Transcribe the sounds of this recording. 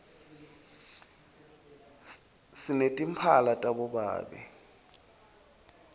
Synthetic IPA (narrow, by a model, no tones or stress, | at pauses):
sinetʼim̩pʰalatʼaɓɔɓa̰ːɓɛ̰